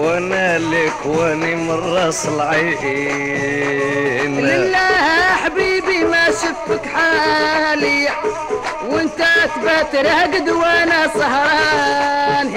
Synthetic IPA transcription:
wanalɪkwanimɑrˤːɑsˤlʕajʔi | nlɪlːahaħbiːbimaʃʊfəkħaːlɪjːa | wɪnt̪at̪bat̪ɾaɡd̪wanasˤɑɦɾˤɑ | n

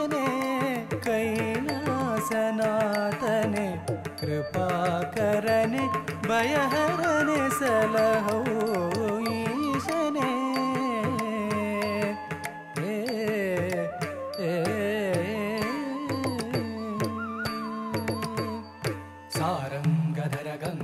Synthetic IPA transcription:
ne | kɐjlasɐnaːt̪ɐnekɾɪpaːkɐɾɐnebʱɐjɐɦɐɾɐnesɐlɐɦɐw | jiʃɐne | e | e | saːɾɐmɡɐd̪ʱɐɾɐɡɐm

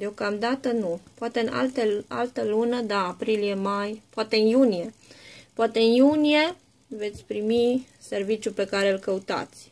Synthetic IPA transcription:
d̪eo̞kamd̪at̪ənupoat̪eɨna̰lt̪ea̰lt̪əlunəd̪aːpɾilije̞majpoat̪e̞ɨnjunije̞poat̪e̞ɨnjunije̞ | ve̞t̪sʲpɾimi | se̞rvit͡ʃjupe̞kaɾe̞ɨlkəut̪a̰t̪sʲ

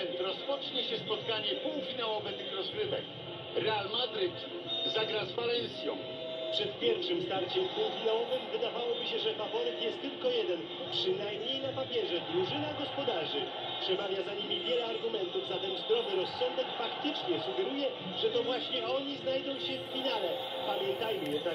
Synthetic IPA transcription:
ɛnt̪ɾɔspɔt͡ʂɲɛɕɛspɔt̪kaɲɛpuwfʲinawɔvɛt̪ɘxɾɔzɡɾɘvɛ̰k | ɾɛalmad̪ɾɘt̪ | zaɡɾazvalɛnsʲjɔ̰̃w̃ | pʂɛt̪̚pʲjɛɾfʂɘmst̪aɾt͡ɕɛmpuwfʲinawɔvɘmvɘd̪avawɔbiɕɛʐɛpapɔɾɛk̪jɛst̪ːɘlkɔjɛd̪ɛn | pʂɘnajmɲejnapapʲjɛʐɛd̪ɾuʐɘnaɡɔspɔd̪aʐɘ | pʂɛmavʲjazaɲimʲivʲjɛlɛaɾɡumɛnt̪uvzat̪ɛnzd̪ɾɔvɘɾɔsːɔnd̪ɛkfakt̪ɘt͡ʂɲɛsuɡɛɾujɛ | ʐɛt̪ɔvwaɕɲɛɔɲiznajd̪ɔ̃w̃ɕɛffʲinalɛ | pamʲjɛnt̪ajmɘjɛa

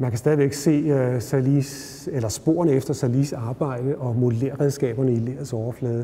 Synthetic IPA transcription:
mænkʰæsd̥ɛːðˠiʋeɡ̥se̝̰ːøsælis | elɐsb̥o̝ɐ̰nəefd̥ɐsælisɑ̈ːb̥ɑ̈ɪ̰d̥əʔɒ̽mo̝dəleːɐʁɛðˠsɡ̥ɛ̰ːb̥ɐnəileːɐð̩ˠsɒʊɐflɛːðˠə

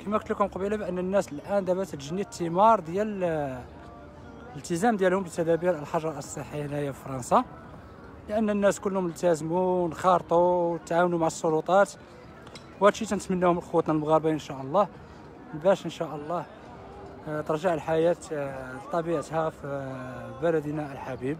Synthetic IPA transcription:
kimækt̪əlkʊmqɑbilabiʔənːənːæsəlʔænd̪æbæt̪t̪ʒənːit̪ːəmɑɾˤd̪jæl | əlt̪əzæmd̪jælhʊmbət̪æd̪æbiɾəlħɑʒɾˤɑʔəsˤəħijalhæjːafifɾˤɑnsɑ | ləʔənːənːæskʊlːhʊməlt̪æzmunxɑɾt̪ˤuwt̪ːʕawnumaʕəsˤːolut̪ˤɑt̪ | whæd̪ʃit̪ænət̪mənːæhʊmlxowːæt̪ˤnɑlmɣɑɾbaʔənʃæʔəlˤːɑh | bæʃənʃæʔəlˤːɑh | t̪əɾˤʒaʕəlħajæt̪t̪ˤːɑbiʕət̪hæfibæləd̪naʔəlħabib̚

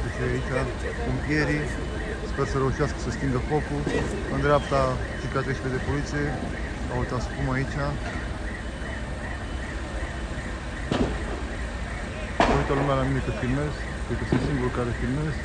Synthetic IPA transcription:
et͡ʃejait͡ʃa | omvije̞ɾi | spe̞rsəɾe̞uʃiaskə̥səst̪iŋɡəfo̞ku | ɨnd̪ɾeapt̪a | t͡ʃ̪ipat̪eʃiled̪e̞polit̪sije | awt̪aspumait͡ʃa | t̪oit̪əlumealamine̞kəfilme̞zkpekəsunt̪siŋɡuɾukaɾefilme̞zk

